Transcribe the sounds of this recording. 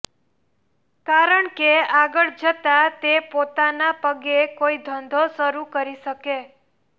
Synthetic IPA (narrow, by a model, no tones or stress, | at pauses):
kaɾəɳkeaɡəɭd͡ʒət̪at̪epot̪anapəɡekoid̪ʱənd̪ʱosəɾukəɾiʃəke